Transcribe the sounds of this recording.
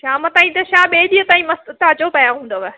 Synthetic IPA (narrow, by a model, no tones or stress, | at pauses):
ʃaːmɐt̪aːĩt̪ɐʃaːɓeːɗiːə̃t̪aːĩmɐst̪aːt͡ɕopɐjaɦũːn̆d̪oʋɛ